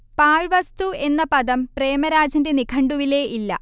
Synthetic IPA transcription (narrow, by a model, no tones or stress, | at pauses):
paːɻʋɐst̪ue̞nːɐpɐd̪ɐmpre̞ːmɐɾaːd͡ʑɐnde̞nikʰɐɳɖuʋile̞ːʔilːɐ̰